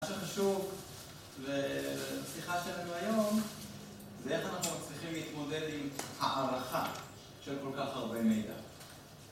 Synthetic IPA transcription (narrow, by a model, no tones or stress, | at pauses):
aʃeχaʃuv | veasiχaʃelanuajo̞m | zee̞χanaχnumat͡sliχimleit̪mo̞de̞d̪imhaʔaʁaχa | ʃelko̞lkaχaʁbemejda̰